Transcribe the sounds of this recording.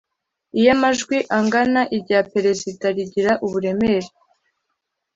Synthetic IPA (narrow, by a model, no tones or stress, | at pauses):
ijamaʒɡwiʔaŋɡanaʔiɾɟaːpe̞ɾe̞zitaɾiɟiɾaʔuβuɾe̞meɾe